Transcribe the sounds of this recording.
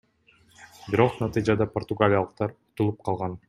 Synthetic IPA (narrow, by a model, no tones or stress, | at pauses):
biɾo̞qnɑt̪ɨjd͡ʒɑd̪ɑport̪ʊɡalʲijalˠəq̚t̪ɑɾu̥t̪ulˠup̚qʰɑlˠʁɑn